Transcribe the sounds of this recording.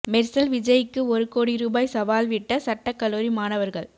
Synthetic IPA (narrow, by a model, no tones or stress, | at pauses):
mɛɾsɐlʋɪd͡ʒɐjɪkːɯɔɾɯkoːɽiɾuːbaːjsɐʋaːlʋɪʈːɐsɐʈːɐkːɐloːɾimaːnɐʋɐɾɣɐɭ